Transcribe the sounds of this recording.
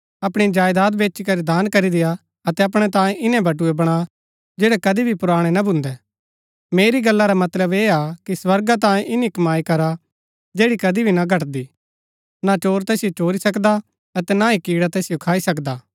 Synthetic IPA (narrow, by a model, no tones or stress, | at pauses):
ɐpɽ̃id͡ʒaːjd̪aːd̪beːt͡ʃikɐɾid̪aːnkɐɾid̪ɪja | ɐt̪ɛɐp̬ɽ̃et̪ãːjẽʔɪnɛ̃bɐʈ̬ʊebɐɽ̃a | d͡ʒɛːɽɛkɐd̪ibʱipʊɾaːɽ̃enabʱʊ̃nd̪ɛ | meːɾiɡɐlːaɾamɐt̪ləbeːakiswɐɾɡat̪̬ãːẽʔɪnikɐmaːikɐɾa | d͡ʒeːɽikɐd̪ibʱinaɡʱɐʈd̪i | nat͡ʃoːɾt̪ɛːsijot͡ʃoːɾisɐkd̪a | ɐt̪ɛnaikiːɽat̪ɛːsijokʰaːisɐkd̪aː